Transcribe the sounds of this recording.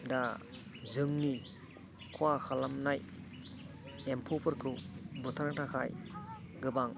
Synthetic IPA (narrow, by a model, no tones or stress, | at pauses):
da | zɯŋni | kʰwaxʰalamnaj | empʰopʰɯɾkʰɯbutʰaɾŋtʰakʰajɡɯbaŋ